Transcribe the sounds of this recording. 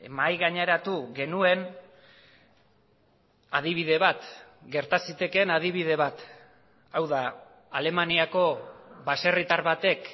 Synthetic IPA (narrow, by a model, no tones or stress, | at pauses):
majɣaɲe̞ɾat̪uɣe̞nue̞n | að̞iβ̞iðe̞βat̪ɡe̞ɾt̪asit̪e̞ke̞nað̞iβið̞e̞β̞at̪ | awða | ale̞maniako̞βase̞rit̪aɾβat̪e̞k